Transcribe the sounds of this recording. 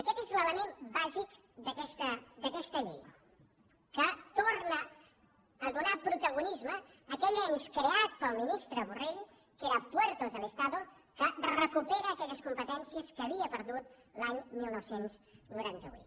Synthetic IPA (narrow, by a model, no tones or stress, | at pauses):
əkɛt̪ezlələmembaʒik | d̪əkɛst̪əd̪əkɛst̪əʎḛj | kət̪ornəː | ðunapɾut̪əɣunizməː | kɛʎeɲskɾeat̪̚pəlˠminist̪ɾəβureʎ | keɾəpwɛɾt̪ozðələst̪aðo | kərəkupeɾəːkɛʎəskumpət̪ɛnsiəskəβiəpəɾðut̪ | laɲmilˠnɔwsenznuɾant̪əβṵt̪